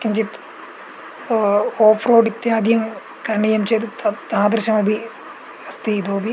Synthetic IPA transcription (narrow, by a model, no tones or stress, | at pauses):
kɐɲd͡ʑit̪ | oːfroːɖit̪ːjaːd̪ijɐŋ | kɐɾɳijɐmt͡ɕeːt̪ɨt̪t̪aad̪ɾɨʃɐmɐbʱi | ɐst̪iid̪oːbʱi